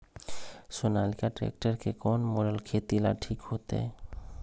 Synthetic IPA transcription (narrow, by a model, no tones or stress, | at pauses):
sonalikaʈɾɛ̰k̚ʈəɾkekɔnmoɾəlkʰet̪ila̰ʈʰikhot̪ḛ